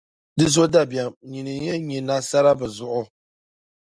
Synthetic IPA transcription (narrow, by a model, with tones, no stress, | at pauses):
dɨ˦zo˦da˦ba˨mɲi˨nɨ˨jɛ˦ɲɛ˨na˦sa˦ɾa˦bɨ˨zʊ˨ʔʊ˦